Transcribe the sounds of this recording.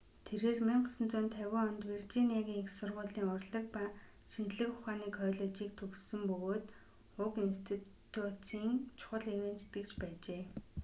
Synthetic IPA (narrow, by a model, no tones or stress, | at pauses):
t̪ʰeɾeːrmiɴɢsə̆nt͡sʊnt̪ʰæwʲʊːɔnt̪wir̥t͡ɕiːniaɣʲiːŋixsʊrʁʊːɮiːŋʊrɮə̆k̚pa | ʃint͡ɕɮɘ̆kʊχaːniːkχœːɮə̆t͡ɕiːk̚t̪ʰɵksɘ̆mpɵɣoːt̪ | ʊkinst̪ʰi | t̪ʰut͡siːŋt͡ɕʰʊ̥χə̆ɮewent̪ʰt̪ɡɘ̆kt͡ɕpæːt͡ɕeː